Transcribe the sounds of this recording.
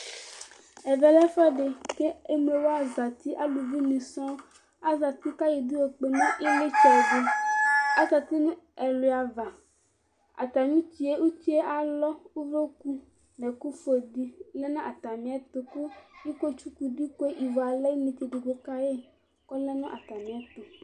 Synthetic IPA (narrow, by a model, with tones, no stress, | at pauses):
e˨ve˨lɛ˦fɔ˦ɖe˨ke˦e˦me˨wo˦a˦za˨t̪i˦ʔa˦lu˨vi˦nĩ˨sɔ̃˦ | a˦za˨t̪i˦ka˦ji˨d̪u˦wo˨k͡pe˨nã˦i˦le˦t͡ʃɔ˨de˦a˦za˨t̪i˦n˦e˨lo˨a˨va˨ | a̰˨t̪a˨ɲũ˦t͡ʃi˨e˦wu˦t͡ʃi˦e˦ʔa˨lɔ˦u˦ve˦ku˦ | ne˨ku˦fo˨d̪i˦le˦nã˦ʔa˨t̪a˨mĩ˨a˨t̪o˨ku˦ji˦ko˦t͡ʃu˦ku˨ɖi˦ko˦e˦ʔi˨vɔ˨a˨le˦mĩ˨t̪i˨ɖe˨ɡo˨ka˦je˦ | kɔ˦le˦nɔ̃˦ʔa˨t̪a˨mĩ˨a˨t̪o˨